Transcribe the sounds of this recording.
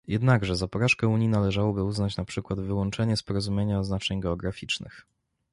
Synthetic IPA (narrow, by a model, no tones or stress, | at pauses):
jɛd̪naɡʐɛzapɔɾaʂkɛuɲinalɛʐawɔbɘuznat͡ɕnapʂɘkwad̪vɘwɔnt͡ʂɛɲɛspɔɾɔzumʲjeɲaɔznat͡ʂɛɲɡɛɔɡɾafʲit͡ʂnɘ̰x